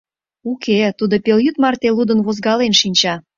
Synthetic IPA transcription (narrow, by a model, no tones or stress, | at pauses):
ukʰet̪ud̪opeljyt̪mɑrt̪elud̪ə̆nβozɡɑlenʃinʲt͡ɕɑ